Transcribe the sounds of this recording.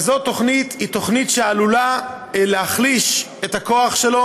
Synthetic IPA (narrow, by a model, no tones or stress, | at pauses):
zo̞to̞χnitito̞χnitʃealula | lehaχliʃ | ethako̞aχʃelo̞